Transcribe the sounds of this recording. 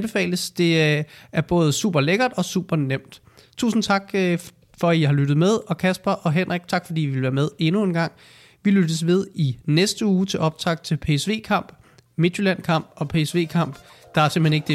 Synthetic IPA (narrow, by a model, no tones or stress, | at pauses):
b̥e̝fɛ̰ːləsd̥e̝æɐb̥ɔ̽ːð̞̩ˠsṵːb̥ɐleɡ̥ɐd̥ɒ̽sṵːb̥ɐnem̰d̥ | t͡sʰṵːsn̩t͡sʰɑ̈ɡ̥ | fɒ̽iɦɑ̈lyɾ̥ð̞̩ˠmeð̞ˠɒ̽kʰæsb̥ɐʔɒ̽ɦen̰ʁaɡ̥̚t͡sʰɑ̈ɡ̥fɒ̽d̥ḭːiʋe̝lʋæːɐmeð̞ˠe̝nue̝nɡ̥ɑ̈ŋ̰ | ʋilyd̥əsʋe̝ð̞ˠinesd̥əuːt͡sʰe̝lʔɒ̽b̥̚t͡sʰʁɑ̈ɡ̥d̥̚t͡sʰe̝lpʰe̝sʋe̝̰ːkʰɑ̈m̰b̥ | me̝d̥julæn̰kʰɑ̈m̰b̥ɒ̽pʰe̝sʋe̝̰ːkʰɑ̈m̰b̥ | d̥ɑ̈æɐse̝mheneɡ̥əd̥e